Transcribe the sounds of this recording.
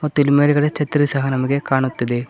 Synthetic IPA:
mɐt̪ːɪlmeːlɣɐɽet͡ʃɐt̪ːɐɾisɐɦɐnɐmukːekaːɳut̪ːɐðɯ

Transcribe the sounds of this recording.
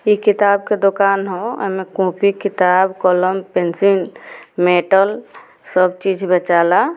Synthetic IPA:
jikit̪aːb̚ked̪okaːnɦoɛ̰mẽkũːpikit̪aːbkɔləmpensinmeʈəl | səbt͡ʃid͡ʒʱbət͡ʃaːla

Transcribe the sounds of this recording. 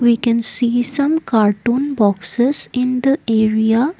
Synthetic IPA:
ʋiːkɛ̃nsiːsɐ̃mkaːɾʈũːnbɔksezɪ̃nd̪əʔeːɾia

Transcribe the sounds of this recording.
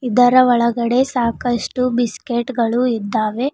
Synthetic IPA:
id̪ɐɾɐɔɭɐɡɐɽe̞saːkɐʂʈubiskeʈɡɐɭuid̪ːaːʋe̞

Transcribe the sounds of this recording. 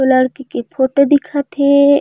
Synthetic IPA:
oləɽkikepʰoʈod̪ɪkʰat̪ʰe

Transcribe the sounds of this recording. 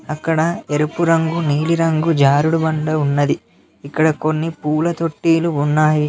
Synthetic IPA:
ɐkːɐɽɐeɾupuɾɐŋɡuniːliɾɐŋɡud͡ʒaːɾuɽubɐɳɖɐunːɐd̪i | ikːɐɽɐko̞nːipuːlɐt̪o̞ʈːiːluunːaːji

